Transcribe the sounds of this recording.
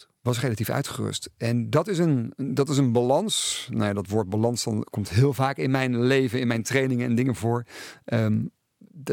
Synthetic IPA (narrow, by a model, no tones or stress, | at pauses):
ʋɑs̬rejlatifœ̰ɥtχərʏ̰stɛndɑtɪs̬əndɑtɪs̬ənbalɑnsna̰wjadɑtʋʊːɹt̚balɑnsdɑnkɔmtɦɪːlˠvaːkɪnmɛjnlejvənɪnmɛjntrejnɪŋənɛndɪŋəvʊːɹʔə